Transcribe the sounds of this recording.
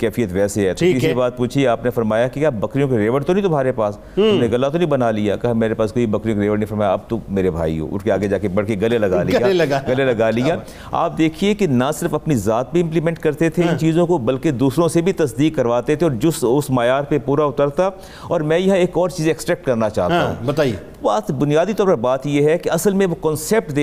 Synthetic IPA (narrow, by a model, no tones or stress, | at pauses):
kɛːfijət̪ʋɛːseɦɛːt̪ʰoːkɪkibaːt̪̚puːt͡ʃʰiaːpnefɐɾmaːjakikʲjaːbɐkɾijõkeɾeːʋəɽt̪onĩt̪ʊm̤aːɾepaːs | t̪ʊmneɡɐlːat̪onĩbɐnalija̰kɐɦameːɾepaːskoːibɐkɾijõkeɾeːʋəɽnĩfɐɾmaːjaɐb̚t̪omeːɾebʱa̰ːḭɦo̰ʊ̰ʈkeaːɡed͡ʒaːkebɐɽkeɡɐlelɐɡaːliaɐɡɡɐlelɐɡaːliaː | a̰ːp̚d̪eːkʰiekinasɪɾfɐpnizaːt̪̚bʱiɪ̃mplimɛ̃ɳʈ̚kɐɾt̪et̪ʰeɪ̃nt͡ʃiːzõkobɐlked̪uːsɾõsebʱit̪ɐsd̪iːkːɐɾʋaːt̪et̪ʰeɔːɾd͡ʒʊsʊsmaːjaːɾpepuːɾaʊt̪əɾt̪a | ɔːɾmɛ̃ːjɐɦãeːkɔːɾt͡ʃiːzẽɛksʈɾɛːk̚ʈkɐɾnat͡ʃa̰ːɦt̪aɦṵ̃bɐt̪ai | baːt̪bʊnijaːd̪it̪ɔːɾpɐɾbaːt̪jeɦɛkeɐsəlmẽʋokɔ̃ːnsɛp̚ʈd̪e